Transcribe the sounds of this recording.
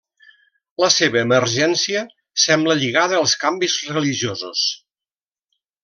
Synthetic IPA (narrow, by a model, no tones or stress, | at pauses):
ləseβəːmərʒɛnsiə | sɛmbləʎiɣaðəːlˠskambizrəliʒiozṵs